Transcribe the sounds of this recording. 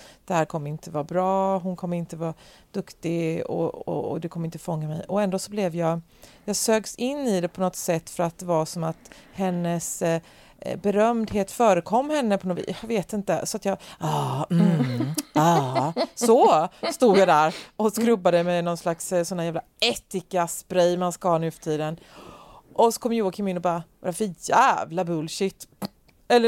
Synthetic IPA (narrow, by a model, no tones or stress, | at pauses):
d̪̥ɛhæːɾkʰɔmːəɾɪnt̪ʰəvɑːbɾɑːɦʊnkʰɔmːəɾɪnt̪əvɑː | d̪̥ɵkt̪ɪɡɔ̰ɔ̰ɔ̰d̪ɛkʰɔmːəɪnt̪əfɔŋːamɛjɔɛnd̪oːsɔblɛvjɑːɡ | jɑːɡsøːɡsɪnːɪd̪ɛpʰɔnɔt̪sɛt̪ːfœɾat̪̚d̪ɛvasɔmat̪hɛnːəs | bɛɾœmd̪ɦeːt̪fœːɾəkʰɔmːhɛnːəpʰɔnɔv̰veːt̪ɪnt̪əsɔat̪jɑːɑːmm̩ | ɑːsɔst̪uːd̪jad̪æɾɔskɾɵbːad̪əmɛnɔnslakssɔnːaɾjæːvla | ɛt̪ːɪkasbɾɛjmanskahɑːnʉ̟fœ̥t̪ʰiːd̪ən | ʔɔsɔ̥kʰɔmːjuːakʰɪmɪnːʊbɑːɾavaɾafœɾjæːvlabɵlʃɪt̪ː | ɛlːə